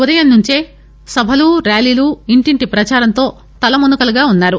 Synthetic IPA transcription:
ud̪ɐjɐnːuɲt͡ʃeː | sɐbʱɐluɾaːliːluiɳʈiɳʈipɾɐt͡ʃaːɾɐnt̪o̞ː | t̪ɐlɐmunukɐlɐɡaːunːaːɾu

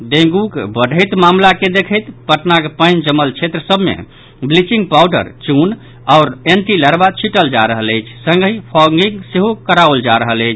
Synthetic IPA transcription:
d̪ẽŋɡukbəɖʱəjt̪mamlaked̪ekʰəjt̪pəʈnakepənd͡ʒəməlt͡ʃʰet̪ɾəsəbmḛ | blit͡ʃĩŋɡ̚pawɖə̰ɾt͡ʃun | aʊɾenʈiləɾbat͡ʃʰiʈəld͡ʒaɾəɦələjt͡ʃʰsə̃ŋɡəɦipʰɔŋɡiŋɡseɦokəɾaəld͡ʒaɾəɦələjt͡ʃʰ

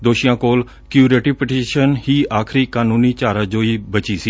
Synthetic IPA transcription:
d̪oːʃijãːkoːl | kjuːɾeːʈiːpɪʈeːʃənɦiːaːkʰɾiːkaːnũːniːt͡ʃaːɾãːd͡ʒoːiːbət͡ʃiːsiː

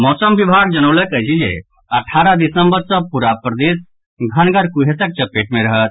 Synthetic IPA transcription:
mɔːsəmʋibʱaɡ̚d͡ʒənəʊləkəɦt͡ʃʰid͡ʒḛ | ɐʈʰaːɾəd̪isəmbəɾsə̃puɾapɾəd̪es | ɡʱənɡəɾkuɦesək̚t͡ʃəpeʈmẽɾəɦət̪̚

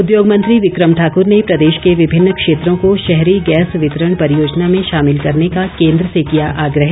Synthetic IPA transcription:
ʊd̪joːɡmɐ̃nt̪ɾiʋɪkɾəmʈʰaːkʊɾnepɾɐd̪eːʃkeʋɪbʱɪnːəkʃeːt̪ɾõkoʃɛɦɾiɡɛːsʋɪt̪əɾəɳ̃pɐɾijoːd͡ʒnamẽʃaːmɪlkɐɾnekakẽːnd̪ɾəsekijaʔaːɡɾəɦɛ

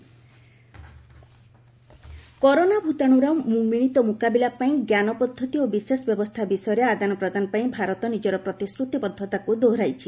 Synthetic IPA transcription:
kɔɾonabʱut̪aɽ̃uɾamumiɽ̃it̪ɔmukabilapaĩɡjanɔpɔd̪ʱːɔt̪iobisesɔbjɔbɔst̪ʰabisɔjɔɾead̪anɔpɾɔd̪ʱanɔpaĩbʱaɾɔt̪ɔnid͡ʒɔɾɔpɾɔt̪iskɾut̪ipɔd̪ʱːɔt̪akud̪oɾajt͡ʃʰi

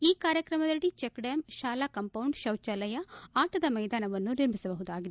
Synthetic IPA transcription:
iːkaːɾjɐkɾɐmɐd̪ɐɭːit͡ʃekɖeːmʃaːlakɐmpɐwɳɖʃɐwt͡ʃɐlɐjɐaːʈɐd̪ɐmɐjd̪aːnɐʋɐnːuniɾmisɐbɐɦud̪aːɡid̪

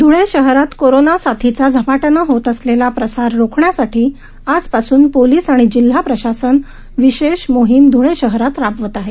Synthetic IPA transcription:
d̪ʱuɭeɕəɦɾat̪koɾonasat̪ʰit͡sad͡zʱəpaʈənaɦot̪əslelapɾəsaɾɾokʰɳjasaʈiː | ad͡zpasuːnpoliːsaɽ̃id͡ʑil̤ːapɾəɕasən | ʋiɕeɕmoɦimd̪ʱuɭeɕəɦɾat̪ɾabʋət̪aɦe

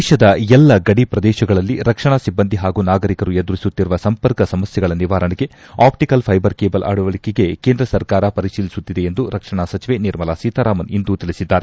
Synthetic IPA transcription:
ʃɐd̪ɐɛlːɐɡɐɽipɾɐd̪ɛːʃɐɡɐɭɐlːiɾɐkʂɐɳasibːɐnd̪ʱiɦaːɡuːnaːɡɐɾikɐɾujed̪uɾisut̪ːiɾuʋɐsɐmpɐɾkɐsɐmɐsjɛɡɐɭɐniʋaːɾɐɳiɡe̞ | aːpʈikɐlpʰɐjbɐɾkeːbɐlʔa̰ːɽuʋɐɭikeɡe̞keːnd̪ɾɐsɐɾkaːɾɐpɐɾiʃiːlisut̪ːid̪e̞end̪uɾɐkʂɐɳasɐt͡ʃiʋe̞niɾmɐlasiːt̪ʰaːɾaːmɐnind̪ut̪iɭisid̪ːaːɾe

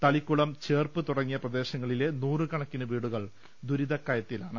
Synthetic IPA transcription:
t̪ɐɭikːuɭɐmt͡ɕe̞ːrpɨt̪uɽɐŋːijɐprɐd̪e̞ːɕɐŋːɐɭile̞nuːrɨkɐɳɐkːinɐʋiːɽuɣɐɭ | d̪uɾiðɐkːɐjɐt̪ːilaːɳɨ

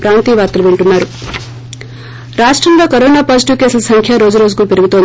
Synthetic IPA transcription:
pɾaːnt̪iːʋaːɾt̪ɐluʋeɳʈunːaːɾu | ɾaːʂʈɾɐmloːkɐɾoːnaːpaːd͡ʒiʈiʋke̞ːsulɐsɐŋkʰjaɾo̞ːd͡ʒuɾo̞ːd͡ʒukuːpeɾuɡut̪oːn

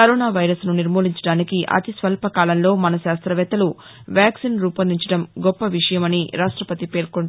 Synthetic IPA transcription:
kɐɾoːnaːʋɐjɾɐsnuniɾmoːliɲt͡ʃɐɽaːnikiʔɐ̰t̪isʋɐlpɐkaːlɐnlo̞ːmɐnɐʃaːst̪ɾɐʋɛːt̪ɐlu | ʋjaːksinɾuːpɐniɲt͡ʃɐɽɐmɡɔpːɐʋiʂɐjɐmɐniɾaːʂʈɾɐpɐt̪ipe̞ːɾkoɳ

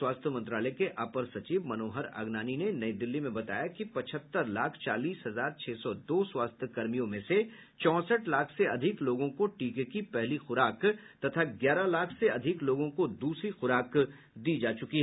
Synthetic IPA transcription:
waːst̪ʰjəmɐ̃nt̪ɾaːlɛkeʔaːpəɾsɐt͡ʃiːʋmɐnoːɦəɾa̰ːɡnaːninenɐid̪ɪlːimẽbɐt̪a̰ːjakipɐt͡ʃʰət̪ːəɾlaːkʰt͡ʃa̰ːliːsɦɐzaːɾt͡ʃʰeːsɔd̪oːswaːst̪ʰjəkɐɾmijõmẽse | t͡ʃɔ̃ːsəʈlaːkʰseɐd̪ʱɪkloːɡõkoʈiːkekipɛɦlixʊɾaːkt̪ɐt̪ʰaɡjaːɾalaːkʰseɐd̪ʱɪkloːɡõkod̪uːsɾixʊɾaːk | d̪iːd͡ʒaːt͡ʃʊkiɦɛ

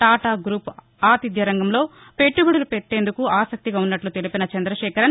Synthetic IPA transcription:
ʈaːʈaːɡɾuːp | aːt̪id̪jɐɾɐŋɡɐmlo̞ː | pe̞ʈːubɐɽulupeʈːe̞ːnd̪ukuaːsɐk̚t̪iɡaːunːɐʈlut̪e̞lipinɐt͡ʃɐnd̪ɾɐʃɛːkɐɾɐn

